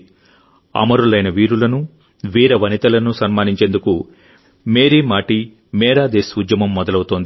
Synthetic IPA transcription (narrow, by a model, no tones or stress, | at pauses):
ɐ̰mɐɾulɐjnɐʋiːɾulɐnu | ʋiːɾɐʋɐnit̪ɐlɐnusɐnmaːniɲt͡ʃe̞ːnd̪uku | meːɾiːmaːʈi | mɛːɾaːd̪eːsud̪jɐmɐmːɔd̪ɐlɐwut̪oːnd̪i